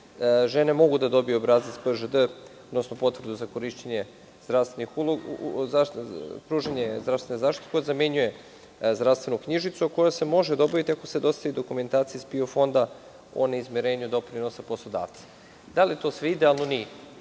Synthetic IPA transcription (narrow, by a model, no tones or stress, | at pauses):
ʒene̞mo̞ɡud̪ad̪o̞bijuobɾaːzaspəʒəd̪əod̪nosnopo̞t̪vrd̪uzako̞ɾiʃt̪eɲe | zd̪ɾaʋst̪venixuloapɾuːʒeɲezd̪ɾast̪ʋenezaːʃt̪it̪ekod̪zameɲuje | zd̪ɾafst̪ve̞nukɲiʒit̪suako̞jase̞mo̞ʒed̪o̞baʋit̪iako̞se̞d̪ost̪aʋid̪o̞kume̞nt̪aːt̪sijispiofo̞nd̪a | o̰neizmʲeɾeːɲud̪o̞pɾinosaposlˠo̞d̪a̰ːʋt̪sḁ | d̪alit̪o̞sʋeid̪ealˠnonije